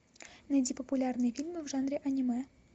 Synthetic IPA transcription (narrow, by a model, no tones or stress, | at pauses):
nɐjdʲipəpulʲarnɨjfʲilʲmɨvʐanɾʲeʔɐnʲimɛ